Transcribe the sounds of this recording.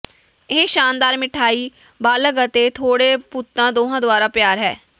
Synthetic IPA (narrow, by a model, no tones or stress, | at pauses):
eʃaːnd̪aːɾmɪʈʰaːiː | baːləkət̪eːt̪ʰoːɽeːpʊt̪ːãːd̪oːɦãːd̪ʊaːɾaːpjaːɾɦɛ̰ː